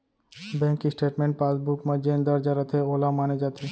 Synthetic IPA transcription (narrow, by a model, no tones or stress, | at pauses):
bɛ̃ŋkisʈeʈmeɳʈ̚pasbukməd͡ʑend̪ɔɾd͡ʑaɾət̪ʰeolamaned͡ʑat̪e